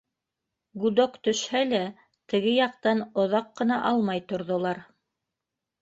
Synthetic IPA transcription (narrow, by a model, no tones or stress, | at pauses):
ɡud̪okt̪ɵ̆ʃhælæ | t̪ɘ̆ɡɘjɑqt̪ɑnŏðɑqːɤ̆nɑʔɑlˠmɑjt̪ŏɾðŏlˠɑɾ